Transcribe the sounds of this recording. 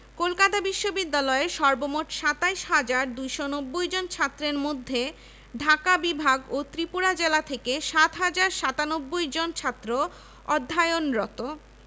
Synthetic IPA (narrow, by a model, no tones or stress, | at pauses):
kolkat̪abiʃːobid̪ːalɔeʃɔɾbomoʈʃat̪aiʃɦad͡ʑaɾd̪ujʃonobːojd͡ʑont͡ɕʰat̪ːɾeɾmod̪ʱːe | ɖʱakabibʱaɡot̪ɾipuɾad͡ʑelat̪ʰekeʃat̪ɦad͡ʑaɾʃat̪anobːojd͡ʑont͡ɕʰat̪ːɾo | ɔd̪ʱːaeonɾɔt̪o